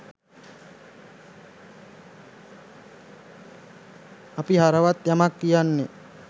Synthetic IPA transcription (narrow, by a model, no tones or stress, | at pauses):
apiɦaɾəʋat̪jamakːijanːe